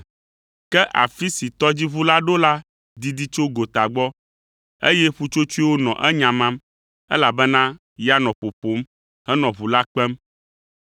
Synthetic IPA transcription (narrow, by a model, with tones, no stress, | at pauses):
kɛ˦ʔa˨fi˦si˨t̪ɔ˦d͡ʑi˦βu˦la˦ɖo˦la˦ | d̪i˨d̪i˦t͡ʃo˦ɡo˨t̪a˨ɡ͡bɔ˦ | e˦jɛ˦ɸu˦t͡ʃo˦t͡ʃu˦i˦wo˦nɔ̰̃˨ʔɛ˦ɲã˨mã˦m | ɛ˦la˨bɛ˦nã˦ | ja˦nɔ̃˨po˨po˨˦m | hɛ˦nɔ̃˨βu˨la˦k͡pɛ˦m